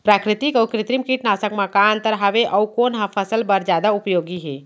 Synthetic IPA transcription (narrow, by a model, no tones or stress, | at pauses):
pɾakɾit̪ikəukɾit̪ɾimkiʈnasəkmakant̪əɾɦaʋeʔəukonɦə̃pʰəsəlbəɾd͡ʒad̪aupjoɡiɦe